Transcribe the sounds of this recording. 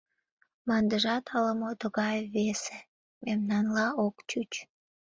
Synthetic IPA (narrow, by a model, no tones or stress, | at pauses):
mɑnd̪əʒɑt̪ʰɑləmot̪əɣɑjβese | memnɑnlɑokt͡ɕyt͡ɕ